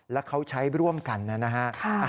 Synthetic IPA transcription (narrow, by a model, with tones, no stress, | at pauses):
lɛː˦˥wkʰa˦˥wt͡ɕʰa˦˥jɾu˥˩əmka˧nːa˦˥na˦˥kʰa˦˥kʰa˧